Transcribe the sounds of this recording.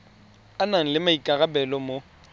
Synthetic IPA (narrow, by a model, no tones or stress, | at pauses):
anaŋ̩lɪmaikʼaɣabɛlɔmo